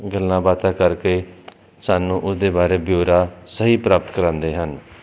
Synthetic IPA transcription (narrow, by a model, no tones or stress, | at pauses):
ɡəlnãːbaːt̪akəɾke | saːnũːʔʊsd̪ebaːɾebjoːɾasəɦipɾaːp̚t̪kəɾãːnd̪eɦən